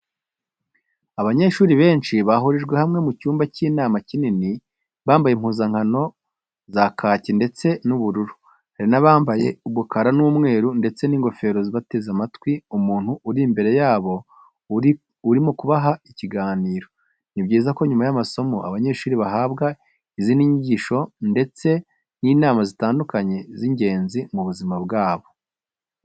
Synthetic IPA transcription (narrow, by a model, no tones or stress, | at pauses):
aβaɲe̞ʃuːɾiβe̞ːnʃiβaɦuɾiʒɡwe̞hamŋe̞mucuːmbaciːnaːmacinini | βaːmbajem̥huːzaŋ̥hano̞ | zakʰaːcinde̞t͡se̞nuβuɾuɾu | aɾinaβaːmbaje̞uβukaɾanumŋe̞ːɾunde̞t͡se̞niːŋɡo̞fe̞ːɾoziβate̞zamatwiumuːn̥huuɾimbe̞ɾe̞jaːβo̞ | uɾimokuβaɦaiciɡaːniːɾo̞ | nibɟiːzako̞ɲumajamaso̞mo̞ʔa̰βaɲe̞ːʃuːɾiβaɦaːbɡa | iziniɲiɟiʃo̞nde̞t͡se̞ | niːnaːmazitaːndukaɲe̞ziɲɟe̞ːnzimuβuzimabɡaːβo̞